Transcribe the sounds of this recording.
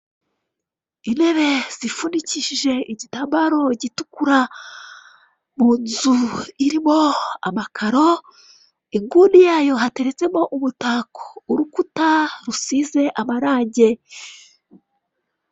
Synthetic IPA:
ine̞βe̞z̥ifuniciʃiʒe̞iɟitaːmbaɾo̞ɟitukuɾa | muːnzuiɾimo̞a̰makʰaɾo̞ | iŋɡuːndijaːjo̞ɦate̞ɾe̞t͡se̞mo̞ʔumutaːko̥uɾukutaɾusiːze̞ʔamaɾaːɲɟe̞

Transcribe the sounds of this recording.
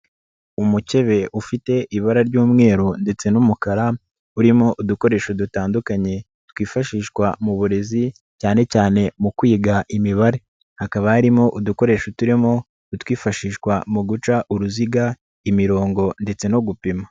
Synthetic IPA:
umuce̞βe̞ʔufite̞ʔiβaɾaɾɟuːmŋe̞ːɾonde̞t͡se̞numukaɾa | uɾimo̞ʔuduko̞ɾe̞ːʃodutaːndukaɲe̞ | t̪wiːfaʃiːʃkwamuβuɾe̞zi | caːne̞caːne̞mukwiːɡaʔimiβaɾe̞ | hakaβahaɾimo̞ʔuduko̞ɾe̞ːʃotuɾimo̞ | twiːfaʃiːʃkwamuɡut͡ʃaʔuɾuziɡa | imiɾo̞ːŋɡo̞nde̞t͡se̞noɡupima

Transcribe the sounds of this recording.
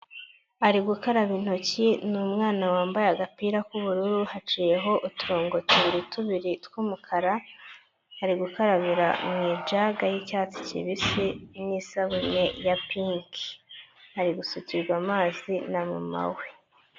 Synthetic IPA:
aɾiɡukaɾaβin̥o̞cinumŋaːnawaːmbajaɡapiːɾakuβuɾuɾuhat͡ʃije̞ɦo̞ʔutuɾoːŋɡo̞tuβiɾituβiɾitwuːmukʰaɾa | aɾiɡukaɾaβiɾa̰mŋiːd͡ʒaɡajicaːt͡si̥cḭβisinisaβumejapiŋkʰi̥aɾiɡusuciɾɡwaːmaːzinamṵma̰we

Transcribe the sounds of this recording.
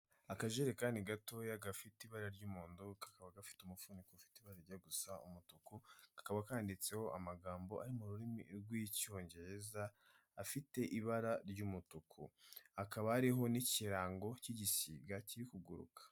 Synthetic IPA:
akaʒeɾekaːndiɡato̞jaɡafitiβaɾaɾɟuːmuːndukḁkaβaɡafi̥tumufunikofi̥tiβaɾaɾɟaɡusaṵmutukukḁkaβakaːndit͡se̞ho̞ʔamaɡaːmbo̞ʔaɾimuɾuɾimḭɾɡwico̞ːɲɟe̞ɾe̞zaː | fite̞ʔiβaɾaɾɟuːmutukʰṵhakaβaaɾiɦo̞niciɾaːŋɡo̞ciɟisiːɡaciɾikuɡuɾṵkʰḁ

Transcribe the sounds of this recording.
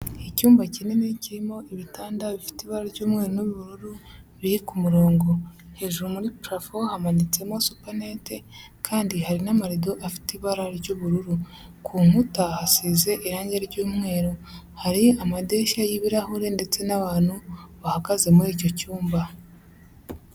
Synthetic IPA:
ecuːmbacineneciɾimo̞ʔiβitaːndaβifi̥tiːβaɾaɾɟuːmŋe̞ːɾonoββuɾuɾuβihikumuɾo̞ːŋɡo̞he̞ːʒuɾumuɾipɾafohamanit͡se̞mo̞supanete | kʰaːndihaɾinamaɾido̞ʔafi̥tiβaɾaɾɟoːβuɾuɾu | kʰuːŋutahasiːze̞ʔiɾaːɲɟeɾɟuːmŋe̞ːɾo | haɾiamade̞ːʃajiβiɾahuɾe̞nde̞t͡se̞naβaːn̥huβahaɡaze̞muɾico̞cuːmba

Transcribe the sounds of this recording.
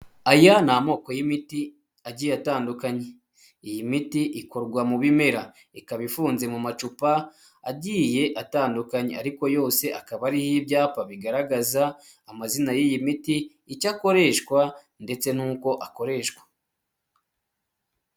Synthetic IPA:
ajanamo̞ːko̞jimiti | aɟiːjataːndukaɲe | ijimitiʔiko̞ɾɡwamuβime̞ɾa | ikaβifuːnze̞mumat͡ʃupaː | ɟije̞ʔataːndukaɲḛaɾiko̞jo̞ːse̞ʔakaβaɾihibɟaːpaβiɡaɾaɡazaː | mazinajijimitiː | cako̞ɾe̞ʃkwa | nde̞t͡se̞nuːko̞ʔako̞ɾe̞ːʃkwa

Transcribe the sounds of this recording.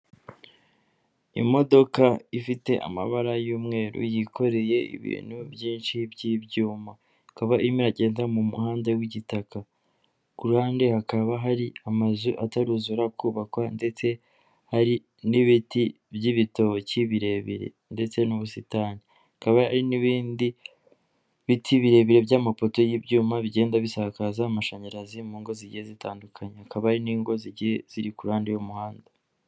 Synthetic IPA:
ḭmo̞do̞kaifite̞ʔa̰ma̰βaɾajuːmŋe̞ːɾṵjikʰo̞ɾe̞je̞ḭβḭːn̥hubjiːnʃibjibjuːma | kaβaʔimiɾaɟe̞ːnzamumṵhaːnde̞ɡwiɟitaka | kuɾuhaːnde̞hakaβaɦaɾiamazuʔataɾuzuɾakuːβakwande̞t͡se̞ | haɾi | niβiti | bɟiβito̞ciβiɾe̞βḭɾḛ | nde̞t͡se̞nuβusitani | akaβahaɾiniβiːndi | βitʰiβiɾe̞βiɾe̞bjaːmapo̞to̞jibɟuːmaβiɟe̞ːndaβisakazaːmaʃaɲiɾazimuːŋɡo̞ziɟihezitaːndukʰaɲehakaβahɾiniːŋɡo̞ziɟihez̥iɾikuɾuhaːndejomuhaːnda

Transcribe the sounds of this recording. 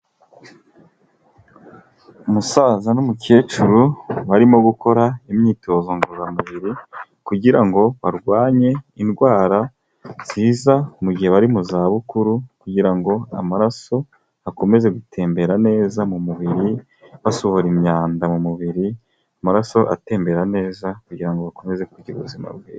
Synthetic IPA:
umusaːzanomuke̞ːt͡ʃuɾuβaɾimo̞ɡuko̞ɾaimɲiːto̞ːzo̞ŋɡozamuβiɾikuɟiɾaŋɡo̞βaɾɡwaːɲe̞inɡwaːɾa | z̥iːzamuɡɟiheβaɾimuzaːβukuɾukuɟiɾaŋɡo̞a̰maɾaso̞ | ako̞me̞ze̞ɡutʰe̞ːmbe̞ɾane̞ːzamumuβiɾi | βasohoɾimɲaːndamumuβiɾi | amaɾaso̞ʔa̰te̞ːmbe̞ɾane̞ːzakuɟiɾaŋɡo̞βako̞me̞ze̞kuɟiuβuzima̰bɡwiː

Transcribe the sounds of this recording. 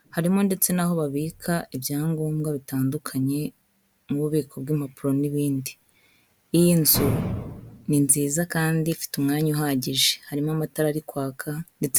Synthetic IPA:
haɾimo̞nde̞t͡se̞naho̞βaβiːkʰaʔibjaːŋɡo̞ːmɡaβitaːndukʰaɲe̞ | muβuβiːkʰo̞bɡim̥hapuɾo̞niβiːndiː | jinzu | ninziːzakaːndifi̥tumŋaːɲuuɦaɟiʒe̥haɾimoamataɾaɾikwaːkʰande̞t͡se

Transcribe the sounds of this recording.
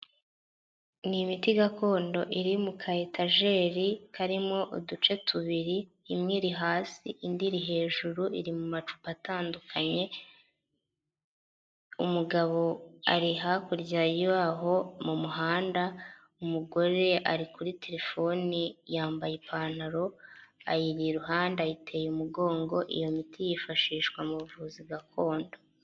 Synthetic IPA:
nimitiɡakʰo̞ːndo̞ʔiɾimukʰaetaʒe̞ːɾikaɾimo̞ʔudut͡ʃe̞tʰuβiɾiː | mŋiːɾiɦaːsḭʔindiɾiɦe̞ːʒuɾuʔiɾimumat͡ʃu̥pataːndukʰaɲe̞ | umuɡaβo̞a̰ɾiɦakuɾɟaːjiwaːɦo̞mumuɦaːnda | umuɡo̞ɾe̞ʔaɾikuɾitʰe̞ɾe̞fo̞nijaːmbajepʰaːn̥aɾo̞a̰jiɾieɾuɦaːndajitʰe̞jumuɡo̞ːŋɡo̞ʔḭjo̞mitʰijifaʃiːʃkwamuβuvuːzibɡakʰo̞ːndo

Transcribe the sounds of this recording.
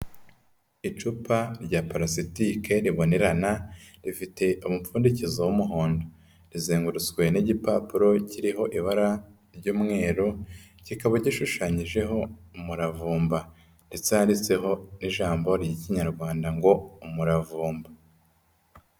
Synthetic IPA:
it͡ʃupaɾɟapaɾasitike̞ɾiβo̞ne̞ɾanaɾifite̞ʔumup͡ffuːndicizowumuɦo̞ːndo | ɾizeːŋɡuɾut͡skwe̞niɟipapuɾo̞ciɾiɦo̞ʔiβaɾa | ɾɟuːmŋe̞ːɾo | cikaβaɟiʃuʃaːɲiʒe̞ɦo̞umuɾavuːmba | ndet͡sehaɾit͡se̞ɦo̞niʒaːmbo̞ɾɟiciɲaɾɡwaːndaŋɡo̞umuɾavuːmba

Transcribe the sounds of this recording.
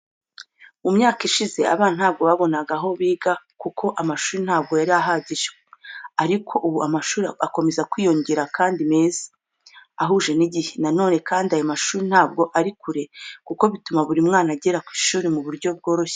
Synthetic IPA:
umɲaːkiʃize̞a̰βaːnhaːb̚ɡo̞βaβo̞naɡaɦo̞βiːɡa | kukʰo̞ʔamaʃuːɾin̥haːb̚ɡo̞jaɾiaɦaɟiʒewaɾikʰo̞ʔuβuamaʃuːɾiako̞me̞zakwiːjo̞ɲɟeɾakaːndime̞ːzḁ | aɦuːʒe̞niɟihe̞nano̞ːne̞kaːndiajomaʃuːɾin̥haːbɡo̞ʔaɾikuɾe̞kuko̞βitumaβuɾimŋaːnaɟe̞ɾakwiːʃuːɾimuβuɾɟo̞b̚ɡo̞ːɾo̞çe̥

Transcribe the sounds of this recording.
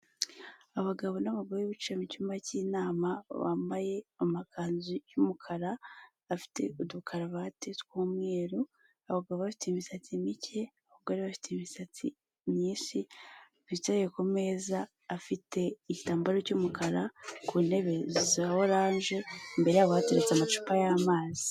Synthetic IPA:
aβaɡaβo̞naβaɡoɾejiβit͡ʃamicumaciːnaːmaβa̰mbaje̞amakʰaːnzujumukʰaɾaβafi̥tʰe̞̰udukʰaɾaβatetwuːmŋe̞ːɾu | aβaɡaβoβafi̥teimisatimicʰe̞ahoɡaɾiβafi̥teimisatʰi | mɲiːsi | βitajekome̞ːzaː | fite̞icitaːmbaɾocumukʰaɾakune̞βe̞ziziβahoɾaːnʒe̞mbe̞ɾe̞jaβohateɾet͡samat͡ʃu̥pajamaːzi̥

